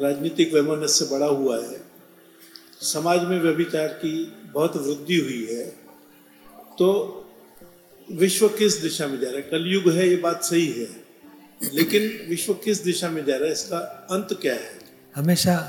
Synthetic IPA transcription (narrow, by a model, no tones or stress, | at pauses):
ɾaːd͡ʒniːt̪ɪkʋɛmənəsːebɐɽaɦuaɦɛː | sɐmaːd͡ʒmẽʋjɐbɪt͡ʃaːɾkibɐɦʊt̪ʋɾɪd̪ʱːiɦʊiɦɛː | t̪oː | ʋɪʃwəkɪsd̪ɪʃamẽd͡ʒaːɾaɦɛkɐljʊɡɦɛjebaːt̪sɐɦiɦɛː | leːkɪnʋɪʃwəkɪsd̪ɪʃamẽd͡ʒaːɾaːɦɛɪskaɐ̃nt̪kjaɦɛː | hɐmeːʃa